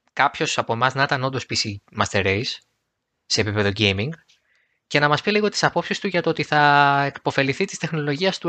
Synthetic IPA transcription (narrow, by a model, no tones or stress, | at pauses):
kɐpço̞sɐpo̞emɐznɐit̪ɐnond̪o̞spisimɐst̪e̞ɾejsː | e̞ːpipe̞ðo̞ɟejmiŋɡ | ce̞nɐmɐspiliɣo̞t̪i̥sɐpo̞psist̪uʝɐt̪oot̪iθɐekpo̞fe̞liθit̪i̥st̪e̞xno̞lo̞ʝiɐst̪u